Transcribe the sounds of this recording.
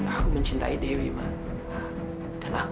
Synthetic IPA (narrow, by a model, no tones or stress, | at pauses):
akuməɲt͡ʃint̪a̰idewiman | kanak